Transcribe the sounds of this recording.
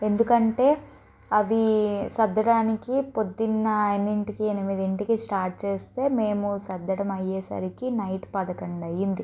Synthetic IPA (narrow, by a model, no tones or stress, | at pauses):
e̞nd̪ukɐɳʈe̞ː | ɐʋisɐd̪ːɐɽaːnikipod̪ːinːɐenːiɳʈikienimid̪iɳʈikisʈaːɾʈ̚t͡ʃeːst̪e̞ːme̞ːmusɐd̪ːɐɽɐmɐjːeːsɐ̰ɾikinɐjʈpɐd̪ɐkɐɳɖɐjind̪i